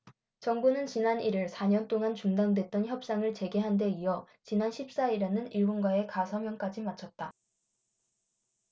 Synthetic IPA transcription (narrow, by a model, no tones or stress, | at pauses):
t͡ɕʌŋbunɯnt͡ɕinaniɾɯɭsʰaɲʌnt͈oŋant͡ɕuŋdandwe̞t̚t͈ʌnçjʌp̚s͈aŋɯɭt͡ɕe̞ɡe̞ɦande̞iʌ | t͡ɕinanɕʰip̚s͈aiɾenɯniɭɡonɡwae̞kasʰʌmjʌŋk͈ad͡ʑimat͡ɕʰʌt̚t͈a